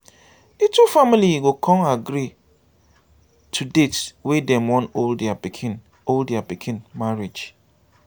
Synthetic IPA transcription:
ditufamiliɡokʰɔ̃ŋaɡɾi | tʰudetwedɛ̃mwɔ̃noldabikʰɪn | oldabikʰɪ̃nmaɹid͡ʒ

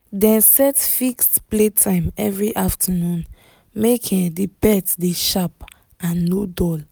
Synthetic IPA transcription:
dɛ̃nsɛtfikstpletʰãɪ̃mɛvɹiʔaftʰənũn | mekʰĩdibɛtdeʃap | ãnːodɔl

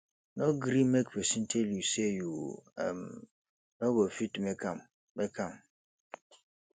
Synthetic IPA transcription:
nɔ̃ɡɾĩmɛkpesĩntʰeljusejuã̰m | nɔ̃ɡofitmɛkʰãm | mɛkʰãm

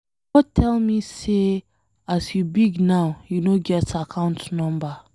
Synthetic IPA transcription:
ɡɔd̚tʰɛlˠmise | asjubiɡnaʊjunoɡɛtakʰãʊ̃ntnɔ̃mba

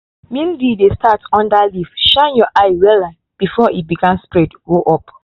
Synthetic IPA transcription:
mĩndidestʰatʰɔ̃ndalifʃãnjɔʔaɪwɛlã | b̥ifɔibiɡãmspɹɛdɡoʔɔp̚

